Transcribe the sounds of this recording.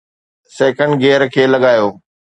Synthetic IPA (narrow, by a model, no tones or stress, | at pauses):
sɛːkə̃ɳɖɡeːɾkʰeːlɐɠaːjoː